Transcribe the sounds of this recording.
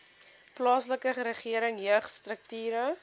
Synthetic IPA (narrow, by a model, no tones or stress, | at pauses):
plɑːsləkəχəɾəχiəɾəŋjəχstrək̚tyːɾə